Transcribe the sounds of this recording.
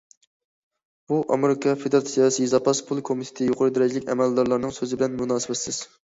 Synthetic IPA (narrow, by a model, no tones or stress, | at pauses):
b̥uʔɑmeɾɪkʰɑfed̪eɾɑt̪sijɑsɨzɑpʰɑspʰulˠkʰomit̪ʰɪ̥t̪ʰɪjoqʰʊɾɨd̪eɾɛd͡ʒlɪkʲɛ̰mɛld̪ɑɾlˠɑɾnɨŋsøzɪbɪlɛnmunɑːsɨbɛt̪sɪz̥